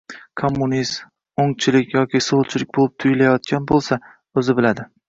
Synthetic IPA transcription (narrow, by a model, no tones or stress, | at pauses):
kʰomːʊniz | oŋt͡ʃʰɪlɪkʲjɒkʲisolˠt͡ʃʰɪlɪk̚ʲbolɪp̚t̪ʰʊjɪlajɒt̪̚kʲʰanbolˠsa | ɵzɪbɪlad̪ɪ